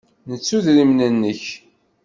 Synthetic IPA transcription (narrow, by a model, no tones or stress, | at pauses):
nət͡sːuðɾimnənːəç